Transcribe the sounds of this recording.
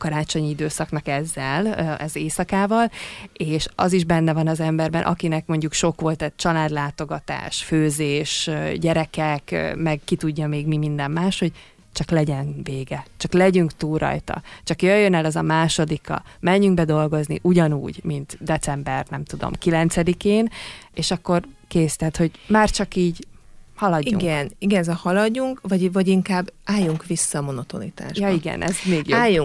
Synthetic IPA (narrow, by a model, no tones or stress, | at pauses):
kɒɾaːt͡ʃo̞ɲid̪øːsɒknɒkɛzːɛlʔɛzeːsɒkaːvɒleːʃɒziʒbɛnːɛvɒnɒzɛmbɛrbɛnʔɒ̰kinɛkmo̞ɲɟukʃo̞kʋo̞lt̪ɛt͡ʃɒlaːd̪laːt̪o̞ɡɒt̪a̰ːʃføːzeːʃɟɛɾɛkɛkmɛɡkit̪uɟːɒmeːɡmimind̪ɛmːaːʃho̞ɟ | t͡ʃɒklɛɟɛnveːɡɛt͡ʃɒklɛɟyŋkt̪uːlrɒ̰jt̪ɒ̰t͡ʃɒkjøjːønɛlɛzɒmaːʃo̞d̪ikːɒ̰mɛɲːyŋɡ̚bɛd̪o̞lɡo̞znḭʔuɟɒnṵːɟmint̪d̪ɛt̪sɛmbɛrnɛmt̪ud̪o̰mkilɛnt̪sɛd̪ikeːneːʃɒkːo̞rkeːst̪ɛːt̪ho̞ɟmaːrt͡ʃɒkiːɟhɒlɒɟiṵŋɡɛniɡɛnzɛhɒlɒɟːuŋkvɒɟvɒɟiŋkaːbːaːjːuŋkʋisːɒmo̞no̞t̪o̞̰nḭt̪a̰ːʃjɒiɡɛ̰nʔɛzmeːɡjaːjːuŋ